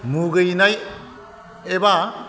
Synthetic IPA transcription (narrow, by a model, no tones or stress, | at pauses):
muɡɯjnaj | eba